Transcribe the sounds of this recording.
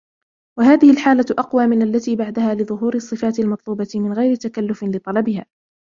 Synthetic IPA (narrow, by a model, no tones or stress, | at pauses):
waɦaːðɪhɪlħaːlaʔɑqwaːmɪnʔalːat̪iːbaʕd̪ahaːlɨðˤʊɦuːɾɨsˤːɨfaːt̪ɪlmɑt̪ˤluːbɑt̪ɪmɪnɣajɾɪt̪akalːʊfɪlɨt̪ˤɑlɑbɪhaː